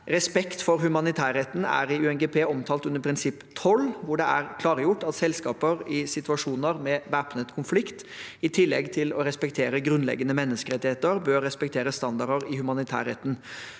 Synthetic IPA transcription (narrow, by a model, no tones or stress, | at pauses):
ɾɛspɛkt̪fɔɾhʉmɑnɪt̪ʰæːɾɛt̪ːn̩æ̰ɾɪʉɛnɡɛːpʰeːɔmt̪ʰɑːlt̪ʉndəɾpʰɾɪnsɪpːt̪ʰɔlːʋʊɖɛæɾkʰlɑːɾəjʊʈːɑt̪sɛlskɑːpəɾɪsɪt̪ʉɑʂuːnəɾmɛʋæpnət̪kʰʊnflɪkt̪ɪt̪ʰɪlːɛ̰ɡt̪ʰɪlɔɾɛspɛk̚t̪ʰeːɾəɡɾʉnlɛ̰ɡːənəmɛnːəskəɾɛt̪ːɪheːt̪əɾbøːɾːɛspɛkt̪ʰeːɾəst̪ɑnd̪ɑɾɖəɾɪhʉmɑnɪt̪ʰæ̰ːɾɛt̪ːn̩